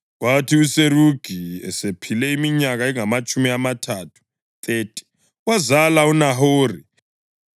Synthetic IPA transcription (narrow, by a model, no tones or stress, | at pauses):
ɣwatʰiuseruɡ̥ʱiɛ̰sepʰilɛimiɲaɣaɛŋamat͡ʃʼumiamatʰaːtʰu̥ | θʼeːtʼi̥ | ɣwazalaunaɦoːri